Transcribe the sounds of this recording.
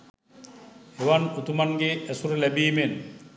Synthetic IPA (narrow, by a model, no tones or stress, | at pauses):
eʋanut̪umaŋɡeesuɾəlæbiːmen